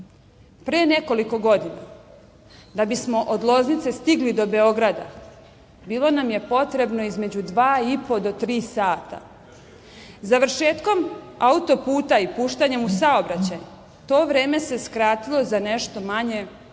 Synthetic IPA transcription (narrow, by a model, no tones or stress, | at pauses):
pɾene̞ko̞liko̞ɡo̞d̪ina | d̪abismo̞ʔod̪lˠo̞znit̪se̞st̪iɡlid̪o̞be̞o̞ɡɾad̪a | biːlˠo̞namje̞po̞t̪ɾe̞bno̞izme̞d͡ʑud̪ʋaːipo̞d̪o̞t̪ɾiːsaːt̪a̰ | zaʋrɾʃe̞ːt̪ko̞maut̪o̞puːt̪aipuːʃt̪aɲe̞musao̞bɾat͡ɕaj | t̪o̞ːʋɾeːme̞se̞skɾaːt̪ilo̞zane̞ʃt̪o̞maɲe̞